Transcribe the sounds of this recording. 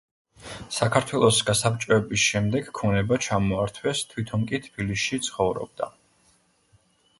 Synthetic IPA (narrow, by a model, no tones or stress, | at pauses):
sakʰaɾt̪ʰwɛlˠɔsɡasapt͡ʃʼɔɛbisʃɛmd̪ɛɡkʰɔnɛbat͡ʃʰamɔaɾt̪ʰwɛst̪ʰwit̪ʰɔmkʼit̪ʰb̥ilisit̪sʰχɔvɾɔ̰b̚d̪a̰